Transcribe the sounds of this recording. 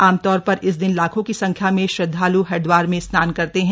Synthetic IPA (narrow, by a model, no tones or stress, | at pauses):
aːmt̪ɔːɾpɐɾɪs̬d̪ɪnlaːkʰõkisɐ̃ŋkʰjamẽʃɾɐd̪ʱːaːluɦɛɖʋaːɾmẽsnaːnkɐɾt̪eɦɛ̃ː